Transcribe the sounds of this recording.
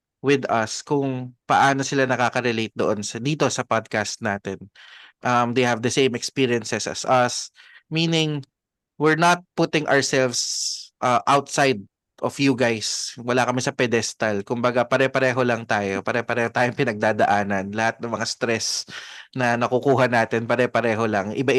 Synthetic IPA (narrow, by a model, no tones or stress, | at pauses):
wɪd̪ɐskʊŋpɐʔaːno̞sɪlanɐkaːkɐɾɛlejt̪̚d̪oʔonsɐd̪iːt̪o̞sɐpad̪̚kast̪̚naːt̪ɛnʔɐmd̪ejhɐvd̪ɐsẽjmɛkspiɹiɛnsɛsɐ̰sɐsmiːnɪŋ | wɪɹnɐt̪̚pʊt̪ɪŋʔɔɹsɛlvsʔɐʔawt̪sajd̪̚ | ʔofjuɡajswɐlakɐmɪsɐpɛd̪ɛst̪ɐlkʊmbɐɡapɐɾɛpɐɾɛːɦolɐŋt̪aːjopɐɾɛpɐɾɛːhot̪aːjoŋpɪnɐɡ̚d̪aːd̪ɐʔaːnɐnlɐhat̪̚nɐŋmɐŋast̪ɾɛsnɐnɐkʊkuːɦɐnaːt̪ɛnpɐɾɛpɐɾɛːɦo̞lɐŋʔɪba